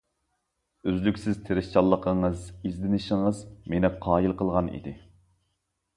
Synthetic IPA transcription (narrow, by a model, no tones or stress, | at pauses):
øzlykʲsɪz̥t̪ʰeɾɪʃt͡ʃʰɑlˠːəqʰəɴəzizlɪnɪʃɪŋəzmenɪqʰɑːjilˠqəlˠʁɑnḭd̪ɪ